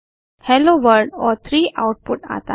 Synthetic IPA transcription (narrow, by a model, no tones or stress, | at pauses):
hɛloʋəɾɖɔɾt̪ʰɾiːʔawʈ̚puʈa̰t̪a̰